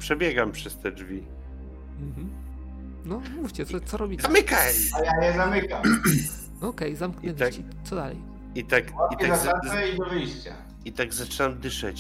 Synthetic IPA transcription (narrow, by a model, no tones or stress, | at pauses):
pʂɛbʲjɛɡampʂɛst̪ɛd͡ʐvʲi | m̩ɦm̩ | nɔmuft͡ɕɛt̪sɔt̪sɔɾɔbʲizamɘkaajajɛzamɘkam | ɔkɛjzamkɲɛnat͡ɕi | t̪sɔd̪alɛ̰j | it̪akait̪aaɛid̪ɔvɘjɕt͡ɕa̰ | it̪aɡzat͡ʂɘnamd̪ɘʂɛ̰t͡ɕ